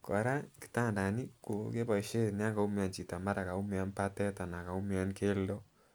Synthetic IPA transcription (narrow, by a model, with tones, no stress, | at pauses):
kɔ˨ɾa˦ki̥˨ta˦nda˨ni˦ku˨ke˦ba˨ʃe˦n˦a˦ka˨u˦mja˨nt͡ʃi˨ta˨ma˦ɾa˨ka˨u˦mja˧npa˦tɛ˦ta˨na˨ka˨u˦mja˦nke˦ldo˦